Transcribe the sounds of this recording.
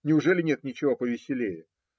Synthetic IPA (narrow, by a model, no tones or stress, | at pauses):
nʲɪʊʐɛlʲɪnʲet̪nʲɪt͡ɕɪvopəvʲɪsʲɪlʲejʊ